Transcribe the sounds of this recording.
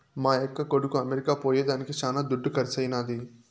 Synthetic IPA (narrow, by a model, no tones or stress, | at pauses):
maːekːɐkoɽukuɐmeɾikaːpoːjeːd̪aːnikit͡ʃaːnaːd̪uɖːukɐɾit͡ʃɐjnaːd̪i